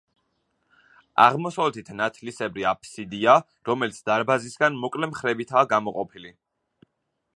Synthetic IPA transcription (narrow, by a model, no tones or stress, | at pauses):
a̰ʁmɔsavlɛt̪ʰit̪ʰnat̪ʰlisɛbɾiapʰsid̪ia | ɾɔmɛlit̪sʰd̪aɾbazisɡanmɔkʼlɛmχɾɛbit̪ʰaːɡamɔqʼɔpʰili